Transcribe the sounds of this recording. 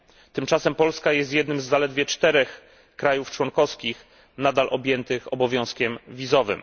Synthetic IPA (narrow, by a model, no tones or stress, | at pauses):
t̪ɘmt͡ʂasɛmpɔlskajɛst̪jɛd̪nɘmzːalɛd̪vʲjɛt͡ʂt̪ɛɾɛx | kɾajuft͡ʂwɔŋkɔskʲix | nad̪alʔɔbʲjɛnt̪ɘxɔbɔvʲjɔ̃w̃skʲɛmvʲizɔvɘ̰m